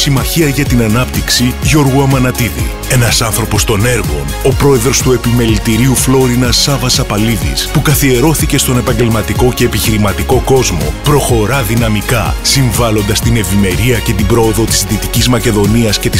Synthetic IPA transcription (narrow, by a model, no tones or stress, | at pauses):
simɐçiɐʝɐt̪inɐnɐpt̪iksiʝo̞ɾɣuɐmɐnɐt̪iðḭ | e̞nɐsɐnθɾo̞po̞st̪o̞ne̞ɾɣo̞̰no̞pɾo̞e̞ðɾo̞st̪ue̞pime̞lit̪iɾiuflo̞ɾinɐsɐvɐsɐpɐliðḭspukɐθie̞ɾo̞θice̞st̪o̞ne̞pɐɲɟe̞lmɐt̪iko̞ce̞ːpiçiɾimɐt̪iko̞ko̞zmo̞̰pɾo̞xo̞ɾɐðinɐmikɐsiɱvɐlo̞nd̪ɐst̪ine̞vime̞ɾiɐce̞t̪ibɾo̞oðo̞t̪i̥sðit̪icizmɐce̞ðo̞niɐsce̞t̪i